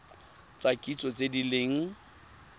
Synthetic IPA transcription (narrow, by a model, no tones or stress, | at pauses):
t͡sʼakʼit͡sʼɔt͡sʼedileŋ̩